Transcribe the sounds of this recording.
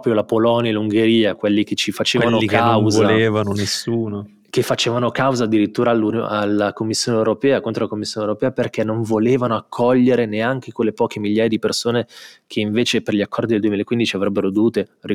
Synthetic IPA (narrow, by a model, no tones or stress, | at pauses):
pɔpɾjolapolɔnjaluŋɡeɾiːakwelːik̟et͡ʃifat͡ʃeːvalnoikanwzvoaleːvanonesːuːno | kefat͡ʃeːvanokawzaːd̪ːiɾit̪ːuːɾalːuno̰alːakomːisːjoːnewɾopɛːakont̪ɾolakomːisːjoːnewɾopɛːaperkɛnːoɱvoleːvanoakʰːɔʎːeɾeneaŋkekwelːepɔːk̟emiʎːaːjad̪ipersoːnekʰeiɱveːt͡ʃeperʎiakʰːɔrd̪id̪eld̪uemilaekːwind̪it͡ʃiavɾɛbːeɾod̪ovuːt̪eri